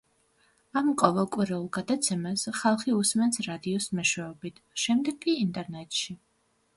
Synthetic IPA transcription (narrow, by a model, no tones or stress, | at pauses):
amqʼɔvɛlˠkʼwiɾɛulˠɡad̪at̪sʰɛmasχalˠχiusmɛnsɾad̪iɔsmɛʃwɛɔbit̪ʰʃɛmd̪ɛɡʼːiːnt̪ʼɛɾnɛt̪ʼʃi